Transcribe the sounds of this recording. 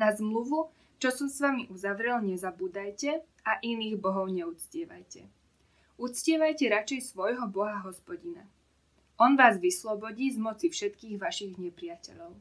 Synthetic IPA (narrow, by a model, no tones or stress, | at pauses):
nazmluʋu | t͡ʃɔsɔmsʋamiʔuzaʋɾɛlɲɛzabuːd̪ajcɛ | aʔiniːɣbɔɦɔʊɲɛut͡scɪɛʋa̰jcɛ | ut͡scɪɛʋajcɛɾat͡ʃɛjsʋɔjɦɔbɔɦaɦɔspɔɟina | ʔɔnʋaːzʋislɔbɔɟiːzmɔt͡sifʃɛt̪kiːɣʋaʃiɣɲɛpɾɪjacɛ̰ʎɔʊ